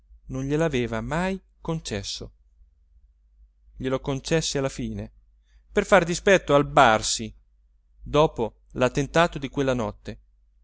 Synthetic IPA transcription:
nonʎelaveːvamaj | kont͡ʃɛsːo | ʎelokont͡ʃɛsːealːafiːne | perfard̪ispɛt̪ːoalbarsi | d̪ɔːpo | lat̪ːent̪aːt̪od̪ikwelːanɔt̪ːe

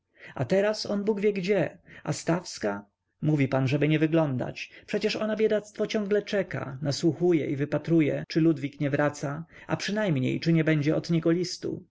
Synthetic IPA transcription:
a̰t̪ɛɾasɔnbuɡvʲjɛɡd͡ʑɛast̪afska | muvʲipanʐɛbɘɲɛvɘɡlɔnd̪a̰t͡ɕpʂɛt͡ɕɛʂɔnabʲjɛd̪at̪st̪fɔt͡ɕɔ̃ŋɡlɛt͡ʂɛka̰naswuxujɛ̰ʔivɘpat̪ɾujɛt͡ʂɘlud̪vʲikɲɛvɾat̪saa̰pʂɘnajmɲḛjt͡ʂɘɲɛbɛɲd͡ʑɛɔd̪ɲɛɡɔlʲist̪ṵ

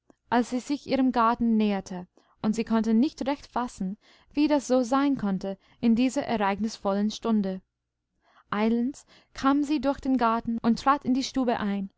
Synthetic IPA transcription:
ʔalsz̥iːzɪçʔiːʁəmɡaɐtn̩neːɐtʰə | ʔʊntz̥iːkʰɔntənɪçtʁɛçtfasn̩ | viːdasz̥oːzaɪnkʰɔntə | ʔɪndiːzɐʔɛɐʁaɪɡnɪsfɔlənʃtʊndə | ʔaɪləns | kʰaːmziːdʊɐçd̥eːnɡaɐtn̩ʊntːʁ̥aːtɪndiːʃtuːbəʔaɪn

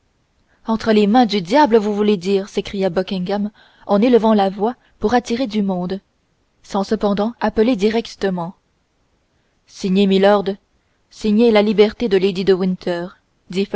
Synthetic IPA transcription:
ɑ̃t̪χəlemɛ̃d̪yd̪jabləvuvuled̪iːʁsekχijabɔkʲĩŋɡam | ɑ̃neləvɑ̃lavwa | puʁat̪iʁed̪ymɔ̃d̪ | sɑ̃səpɑ̃d̪ɑ̃apəled̪iʁɛkt̪əmɑ̃ | siɲemilɔʁd̪ | siɲelalibɛʁt̪ed̪əled̪id̪əwĩnt̪ʰœːʁ | d̪if

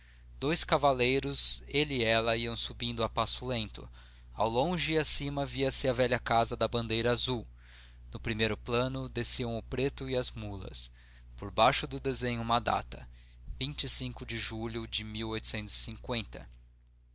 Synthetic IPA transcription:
d̪̥ojskavalejɾʊzelɪɛlɐiɐ̃w̃subĩnd̪ʊapasʊlẽnt̪ʊ̰ | a̰wlõʒɪɪasĩmɐviɐsɪɐvɛʎɐkazɐd̪ɐbɐ̃nd̪ejɾɐazuw | nʊpɾimejɾʊplɐ̃nʊd̪esiɐ̃w̃ʊpɾet̪ʊɪɐzmulɐ̰s | poɾbajʃʊd̪ʊd̪ezẽɲʊũmɐd̪a̰t̪ɐ | vĩnt͡ʃɪsĩŋkʊd͡ʒɪʒuʎʊd͡ʒɪmiwojt̪ʊ̥sẽnt̪ʊz̥ɪ̥sĩŋkwẽnt̪ɐ̰

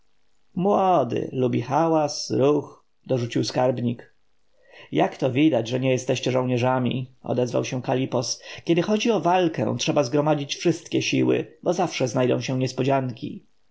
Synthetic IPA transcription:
mwɔd̪ɘ̰lubʲixawasɾux | d̪ɔʐut͡ɕiwskaɾbɲik | jakt̪ɔvʲid̪ad͡ʑʐɛɲɛjɛst̪ɛɕt͡ɕɛʐɔ̃w̃ɲɛʐamʲḭɔ̰d̪ɛzva̰wɕɛ̃kalʲipɔskʲɛd̪ɘxɔd͡ʑiɔvalkɛ̰̃tʂɛbazɡɾɔmad͡ʑit͡ɕfʂɘst̪kʲɛɕiwɘ̰bɔzafʂɛznajd̪ɔ̰̃w̃ɕɛ̃ɲɛspɔd͡ʑaŋkʲḭ

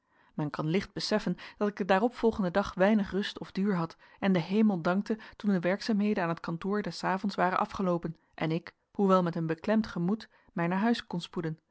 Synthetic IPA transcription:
mɛnkɑnlɪχd̚bəsɛfənd̥ɑtɪɡ̚ədaːrɔpfɔlˠχəndədɑχʋɛjnəχrɵstɔvdyːɹɦɑt | ɛndəɦejməlˠdɑŋk̚tətundəʋɛɹksaːmɦejdənaːnətkɑntʊːɹdɛsaːvɔntsʋaːrənʔɑfχəlowpən | ʔɛnɪk | huʋɛlˠmɛtənbəklɛmtχəmut | mɛjnaːɹɦœɥskɔnspudən

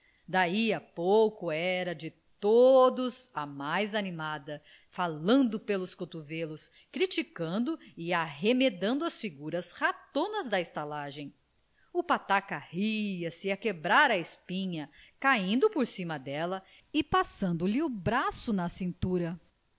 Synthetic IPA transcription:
d̪aiɐpowkʊɛɾɐd͡ʒɪt̪od̪ʊzɐmajzanimad̪ɐ | falɐ̃nd̪ʊpelʊskot̪uvelʊs | kɾit͡ʃikɐ̃nd̪ʊɪaɦemed̪ɐ̃nd̪ʊɐsfiɡuɾɐshat̪õnɐzd̪ɐest̪alaʒẽj̃ | ʊpat̪akɐhiɐsɪɐkebɾaɾɐespĩɲɐkaĩnd̪ʊpoɾsĩmɐd̪ɛlɐ | ɪpasɐ̃nd̪ʊlɪʊbɾasʊnɐsĩnt̪uɾɐ

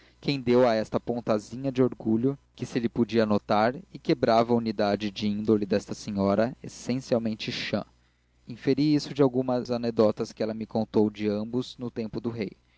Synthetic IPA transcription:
kʰẽj̃d̪ewɐɛst̪ɐpõnt̪azĩɲɐd͡ʒɪoɾɡuʎʊkɪsɪlɪpod͡ʒiɐnot̪aɾɪkebɾavɐunid̪ad͡ʒɪd͡ʒɪĩnd̪olɪd̪ɛst̪ɐsẽɲɔɾɐesẽsiawmẽnt͡ʃɪʃɐ̰̃ | ĩfeɾiisʊd͡ʒɪawɡũmɐzaned̪ɔt̪ɐskɪɛlɐmɪkõnt̪owd͡ʒɪɐ̃mbʊznʊt̪ẽmpʊd̪ʊɦej

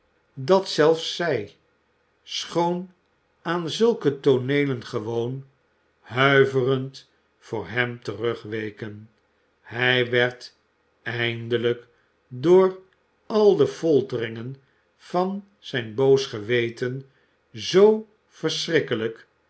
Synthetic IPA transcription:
dɑtsɛlˠfsɛj | sχown | aːnzɵlˠkətonejlənχəʋown | hœɥvərənt | fʊːɹɦɛmtərøχʋejkən | hɛjʋɛɹt | ɛjndələk | dʊːɹ | ɑlˠdəfolˠtərɪŋən | v̥ɑn | z̥ɛjnbowsχəʋejtən | zow | v̥əɹsrɪkələk

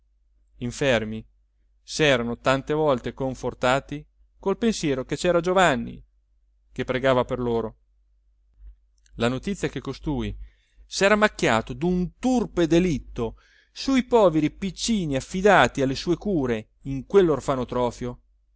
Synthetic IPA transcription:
iɱfermi | sɛːɾanot̪ant̪evɔlt̪ekoɱfort̪aːt̪i | kolpensjɛːɾoket͡ʃɛːɾad͡ʒovanːḭ | kepːɾeɡaːvaperloːɾo | lanot̪it̪sjakekːost̪uːj | sɛːɾamakːja̰ːt̪od̪unt̪urped̪elit̪ːo | suipɔːveɾipit͡ʃːiːniafːid̪aːt̪ialːesuːekuːɾe | iŋkwelːorfanot̪ɾɔːfjo

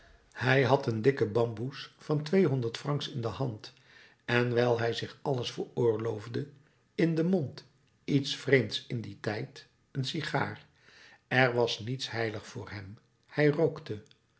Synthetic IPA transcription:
hɛjɦɑtəndɪkəbɑmbusfɑntʋejɦɔndəɹtfrɑŋksɪndəhɑnt | ɛnʋɛlˠɦɛjzɪχɑləsfəɹʊːɹlowvdə | ɪndəmont | itsfrejmtsɪnditɛjt | ənsiχa̰ːr | ɛɹʋɑsnitsɦɛjləχfʊːɹɦɛm | hɛjrowktə

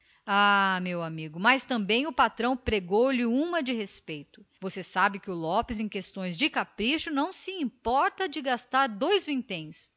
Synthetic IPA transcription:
amewamiɡʊmast̪ɐ̃mbẽj̃ʊpat̪ɾɐ̃w̃pɾeɡowlɪũmɐd͡ʒɪhespejt̪ʊvosesabɪkɪʊlɔpɪzẽj̃kest̪õj̃zd͡ʒɪkapɾiʃʊnɐ̃w̃sɪĩpɔɾt̪ɐd͡ʒɪɡast̪aɾd̪ojzvĩt̪ẽj̃s

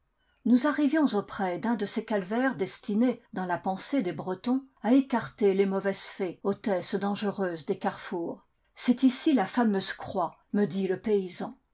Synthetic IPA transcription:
nuzaʁivjɔ̃zopχɛd̪ɛ̃d̪əsekalvɛʁd̪ɛst̪ined̪ɑ̃lapɑ̃sed̪ebʁət̪ɔ̃aekaʁt̪elemɔvɛz̥fɛot̪ɛsd̪ɑ̃ʒəʁøːzd̪ekaʁfuːʁ | sɛt̪isilafamøz̥kχwa | məd̪iləpeizɑ̃

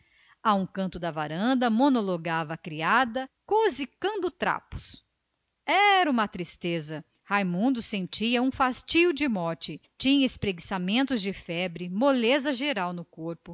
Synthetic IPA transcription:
aũkɐ̃nt̪ʊd̪ɐvaɾɐ̃nd̪ɐmonoloɡavɐːkɾiad̪ɐkozikɐ̃nd̪ʊt̪ɾa̰pʊ̥s | ɛɾɐũmɐt̪ɾist̪ezɐ | hajmũnd̪ʊsẽnt͡ʃiɐũfast͡ʃiʊd͡ʒɪmɔɾt͡ʃɪt͡ʃĩɲɐespɾeɡisamẽnt̪ʊzd͡ʒɪfɛbɾɪmolezɐʒeɾawnʊkoɾpʊ

